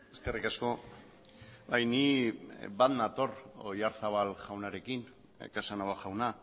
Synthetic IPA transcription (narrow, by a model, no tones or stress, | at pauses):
eske̞rikasko̞ | bajni | baðnat̪o̞rojaɾθaβalʝawnaɾe̞kin̰ | kasanaɣaʝawna